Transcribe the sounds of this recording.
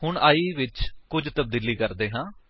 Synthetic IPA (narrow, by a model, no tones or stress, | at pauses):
hʊɳaːiːʋɪt͡ʃkʊd͡ʒt̪əb̚d̪iːliːkəɾd̪eːɦãː